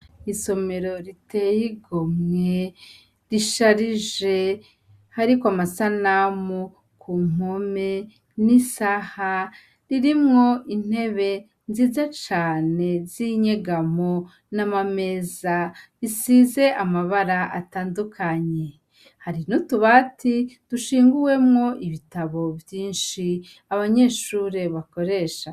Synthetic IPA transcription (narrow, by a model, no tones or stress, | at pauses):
iso̞me̞ɾo̞ɾitejiɡomŋe̞ | ɾiʃaɾiʒe̞ | haɾikwamasanamu | kʰum̥ome̞ | nisaha | ɾiɾimŋo̞in̥he̞βe̞ | nziːzat͡ʃaːne̞ziɲeɡamo | namame̞ːzaβisize̞ʔamaβaɾaʔataːndukʰaɲe̞ | haɾinotuβatʰituʃiːŋɡuwe̞mŋo̞ʔiβitaβo̞vjiːnʃi | aβaɲe̞ːʃuːɾe̞βako̞ɾe̞ːʃa